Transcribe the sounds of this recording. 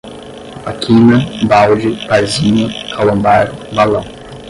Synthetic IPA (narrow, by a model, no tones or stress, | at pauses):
akʰinɐbawd͡ʒɪpazinɐkʰalɐ̃mbaɾbalɐ̃w̃